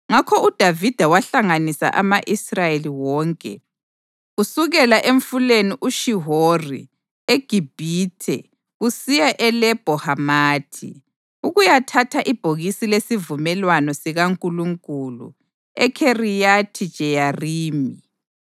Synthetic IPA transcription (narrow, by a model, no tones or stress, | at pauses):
ŋakʰɔud̥ʱavid̥ʱawaɬaŋanisa̰ʔa̰maʔisrajeliwɔːŋkʼɛ̰ | usuɣɛlaʔeɱfuleniʔuʃiɦorḭ | eɡ̥ʱib̥ʱitʰɛ̰ | ɣusijaʔɛlɛb̥ʱɔhamaːtʰḭ | uɣujatʰatʰaʔib̥ʱoɣisilesivumɛlwanɔsiɣaŋkʼuluŋkʼulṵ | ɛ̰kʰerijatʰid̥t͡ʃʼɛjariːmi